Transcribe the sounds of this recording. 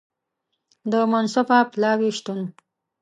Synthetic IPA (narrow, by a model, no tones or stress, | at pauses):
d̪əmansapaplɑːwiʃt̪un